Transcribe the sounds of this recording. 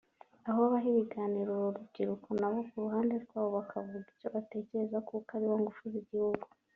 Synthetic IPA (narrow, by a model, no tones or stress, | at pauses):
aɦoβaɦiβiɡaːniɾoɾubɟiɾukonaβo̞kuɾuɦaːnde̞ɾɡwaːβoβakʰaβuɡico̞βate̞ːce̞ɾe̞zakukaɾiwaŋɡufuziɟihuɡu